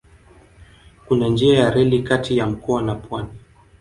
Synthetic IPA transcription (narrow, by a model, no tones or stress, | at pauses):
kunand͡ʒiajaɾɛlikatijam̩kɔanapwani